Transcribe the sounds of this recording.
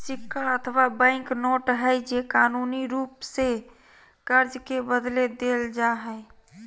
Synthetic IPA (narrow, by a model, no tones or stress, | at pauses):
sikʰːaət̪ʰwabə̃ɪ̃knoʈɦəjd͡ʒekanuniɾupse | kəɾd͡ʒkebəd̪led̪eld͡ʒaɦəj